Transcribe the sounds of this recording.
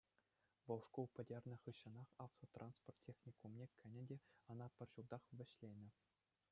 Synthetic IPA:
ʋɤ̆lˠʂkulˠpʲɘ̆dʲerʲnʲɤ̆χɯɕːɤ̆nɑχɑft̪ot̪rɑnsport̪ʲːexnʲikumnʲekʰʲːɘ̆nʲɘ̆dʲeɤ̆nɑpʲɘ̆rʲʑulˠd̪ɑχʋʲɘ̆ɕlʲenʲɘ̆

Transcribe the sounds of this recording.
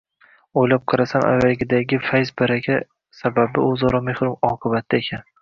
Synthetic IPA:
ojlap̚qʰɨɾasamʔa̰vaɡʲɪd̪aɡʲɪfajzbaɾakʲa | sababɪɵzɒɾɒmehɾʊmɒqʰɨbat̪ʰːaekʲʰan

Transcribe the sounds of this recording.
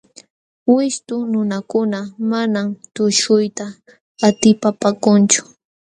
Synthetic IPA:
wɪst̪ʊnʊnakʊnamanamt̪ʊʃʊjt̪aː | t̪ɪpapakʊnt͡ʃʊ̥

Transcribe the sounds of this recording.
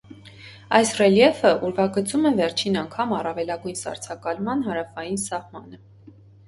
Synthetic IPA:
ɑjsrɛljɛfəʔuɾvɑɡət͡sumɛvɛɾt͡ʃʰinɑŋkʰɑmɑrɑvɛlɑɡujnsɑ̰ɾt͡sʰɑkɑlmɑnɦɑɾɑfɑjinsɑhmɑnə

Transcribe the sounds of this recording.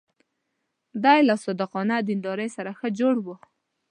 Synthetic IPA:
d̪ɑjlasɑd̪əqɑnad̪ind̪ɑɾəjsaɾaxəd͡ʒoɽwu

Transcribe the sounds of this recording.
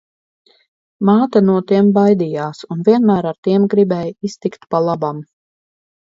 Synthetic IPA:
maːt̪anuɔt̪iɛmbajd̪ijaːsunvʲiɛnmæːɾaɾt̪iɛmɡɾibɛjist̪ikt̪palˠabam

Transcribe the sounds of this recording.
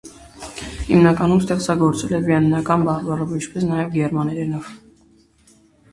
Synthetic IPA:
hḭmnɑkɑnumst̪ɛχt͡sɑɡɔɾt͡sɛlɛviɛnːɑkɑnbɑrbɑɾɔvint͡ʃʰpɛsnɑjɛvɡɛɾmɑnɛɾɛnɔv

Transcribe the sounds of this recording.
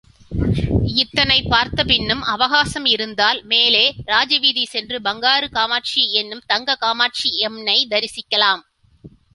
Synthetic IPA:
ɪt̪ːɐnɐɪpːaːɾt̪ɐpɪnːɯmʔɐʋɐɣaːsɐmɪɾɯnd̪aːlmeːleːɾaːd͡ʒɐʋiðisɛndrɯbɐŋɡaːɾɯkaːmaːʈ̚t͡ʃiɛnːɯmt̪ɐŋɡɐkaːmaːʈ̚t͡ʃiɛmnɐɪd̪ɐɾɪsɪkːɐlaːm

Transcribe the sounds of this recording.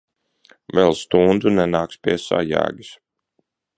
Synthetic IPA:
vɛlˠst̪und̪zunɛnaːkspʲiɛsa̰jæ̰ːɡis

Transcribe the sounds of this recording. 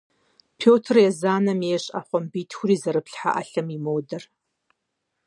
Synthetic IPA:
pʰoːtʰrjɛzaːnɐmjeɕʼa̰ːχʷɔmbiːtʰxʷʊɾiːzɐɾɨpɬħa̰ʔɐɬɐmimowdɐr

